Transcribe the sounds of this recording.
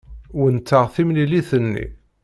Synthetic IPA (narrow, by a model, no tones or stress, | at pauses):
wənt̪ːəʁθimliliθənːḭ